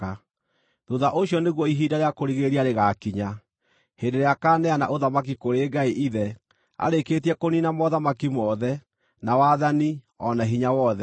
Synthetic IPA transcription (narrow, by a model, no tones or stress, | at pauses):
a | ðuðaʔoɕijɔneɣwɔiɦiːdaɾeakoɾiɣeɾiaɾeɣaːkiɲa | heːndeɾeakaːnɛana̰ʔoðamak̬ikoɾeːɡaiʔiðɛ | a̰ɾeketiɛkoniːnamɔðamakimɔðɛ | nawaːðani | ɔnaɦiɲawɔðɛ